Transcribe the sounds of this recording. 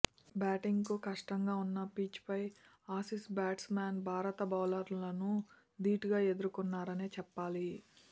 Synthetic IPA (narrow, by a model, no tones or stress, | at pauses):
baːʈiŋɡkukɐʂʈɐŋɡaːunːɐpiːt͡ʃpɐj | aːsisbaːʈsmaːnbʱaːɾɐt̪ɐbawlɐɾlɐnu | d̪iːʈiɡaːe̞d̪uɾukunːaːɾɐneːt͡ʃɛpːaːli